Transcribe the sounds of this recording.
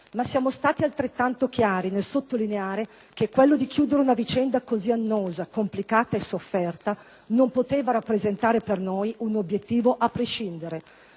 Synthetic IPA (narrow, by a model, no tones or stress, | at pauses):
masːjaːmost̪aːt̪ialt̪ɾet̪ːant̪okjaːɾinelsot̪ːolineaːɾe | kekːwelːod̪ikjuːd̪eɾeunavit͡ʃɛnd̪akozianːoːzakomplikaːt̪aesofːɛrt̪a | nompot̪eːvaɾapːɾezent̪aːɾepernojunobjet̪ːiːvoʔapːɾeʃind̪eɾe